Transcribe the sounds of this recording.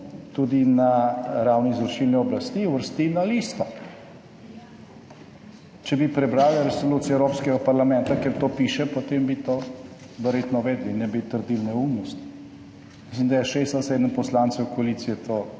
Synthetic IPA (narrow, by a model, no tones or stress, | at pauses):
t̪ud̪inaɾawnizɔɾʃilniɔblast̪iwʋəɾst̪inaliːst̪ɔ | t͡ʃɛbipɾɛbɾaːwlaɾɛsoluːt̪siɛwɾoːpskɛɡapaɾlamɛ̃nt̪akɛɾt̪oːpiːʃɛpot̪embit̪oː | d̪ɛɾjeːt̪nɔʋɛd̪linːɛbit̪əɾd̪ilnɛumnɔst̪ | mislimd̪ajɛʃest̪asɛːd̪ənpɔslant̪sɛwkɔalit̪sijɛt̪ʰoː